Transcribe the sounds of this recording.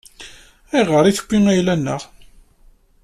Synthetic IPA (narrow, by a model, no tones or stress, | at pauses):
iʁəɾˤiθə̥kʷːiŋæjlænːə̰ʁ